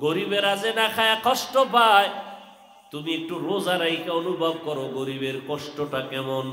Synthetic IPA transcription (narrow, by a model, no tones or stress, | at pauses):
ɡoɾibeɾazenakʰajakɔʃʈɔpaj | t̪umiek̚ʈuɾozaɾaikʰeonubʱab̚kɔɾoɡoɾibeɾkɔʃʈɔʈakɛmon